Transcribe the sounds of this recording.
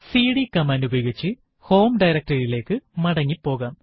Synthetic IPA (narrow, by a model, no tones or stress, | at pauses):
siːɽikɐmaːndubɐjoɡit͡ɕːɨ | ho̞ːmɖɐjɾɐk̚ʈɐrile̞ːkːɨmɐɽɐŋːipːo̞ːɣaːm